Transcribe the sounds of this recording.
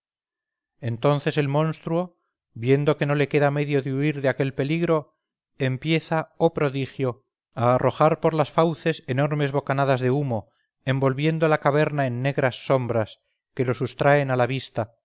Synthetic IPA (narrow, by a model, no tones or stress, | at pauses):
e̞nt̪o̞nθe̞se̞lmõ̞nst̪ɾuo | bje̞nd̪o̞ke̞no̞le̞ke̞ðame̞ðjo̞ðeuiɾðeake̞lpe̞liɣɾo̞ | empje̞θaopɾo̞ðixjo̞ | aːrʔo̞xaɾpo̞ɾlasfawθe̞seno̞ɾme̞zβo̞kanaðazðeumo̞ | e̞mbo̞lβje̞nd̪olakaβ̞e̞ɾnae̞nːe̞ɣɾasːo̞mbɾas | ke̞lo̞sust̪ɾae̞nalaβ̞ist̪a